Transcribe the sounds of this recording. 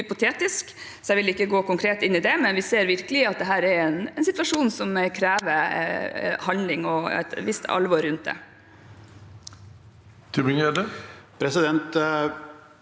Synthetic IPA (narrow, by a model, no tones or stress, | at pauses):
hʏpʊt̪ʰeːt̪ɪsk | sɛɪʋɪlɪkːəɡoːkʊŋkʰɾeːt̪ɪnːɪd̪ɛmɛnʋɪseːɾʋɪɾkəlɪɑt̪̚d̪ɛɦæːɾɛɾɛnɛnsɪt̪ʋɑʂuːnsɔmkʰɾæːʋə | hɑnlɪŋɔɛ̰t̪ʋɪst̪ʰɑ̰lʋɔɾʉnt̪̚d̪ɛ̰ | t̪ʰɪbɪŋeːd̪əpʰɾɛsɪd̪ɛnt̪